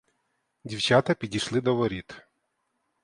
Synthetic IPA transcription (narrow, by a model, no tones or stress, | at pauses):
dʲiwt͡ʃɑt̪ɐpʲidʲijʃlˠɪd̪ɔʋɔɾʲit̪